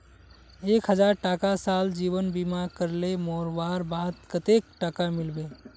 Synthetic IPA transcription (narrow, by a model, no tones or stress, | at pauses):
eːkɦəd͡ʒaɾʈaːkasaːld͡ʒiːʋənbimaɾkəɾlemɔːɾʋaːɾbaːt̪kət̪ek̚ʈaːkamɪlbe